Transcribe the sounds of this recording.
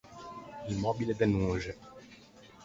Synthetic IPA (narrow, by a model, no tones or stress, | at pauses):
imɔbilɛd̪ɛnũːʒɛ